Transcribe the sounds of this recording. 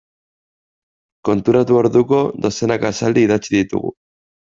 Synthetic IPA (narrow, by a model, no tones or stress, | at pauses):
ko̞nt̪uɾat̪uo̞ɾðuko̞ðo̞se̞nakasald̪iːðat͡siðit̪ṵɣṵ